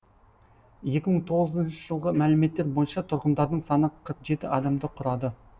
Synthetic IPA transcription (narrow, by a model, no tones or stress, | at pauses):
je̞kʲɪməɴt̪ʰo̞ʁəzənʃɪʒəlˠʁəmælɪme̞t̪ːe̞ɾbojənʃɑt̪ʰʊɾʁənd̪ɑɾd̪əɴsɑnəqʰɾəqʒe̞t̪ɪʔɑd̪ɑmd̪əqʰʊɾɑd̪ə